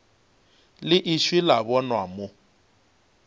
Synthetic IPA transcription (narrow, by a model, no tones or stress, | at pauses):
lɪʔiʃwilaβɔnwamʊ